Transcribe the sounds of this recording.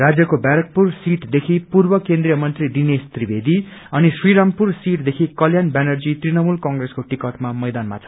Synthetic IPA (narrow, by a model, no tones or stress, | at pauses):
rad͡zjʌkobjaɾʌk̚pursiʈd̪ekʰipurbʌkẽnd̪ɾijʌmʌnt̪riɖinest̪ribʱed̪iʌniswiɾampursiʈd̪ekʰikʌljanbanʌrd͡zit̪rinʌmulkaŋɡreskoʈikʌʈmamʌjd̪anma̰t͡sʰʌ̥